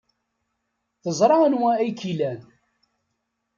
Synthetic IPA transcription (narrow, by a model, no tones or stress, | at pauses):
θəzˤɾˤɑənwææjkilæn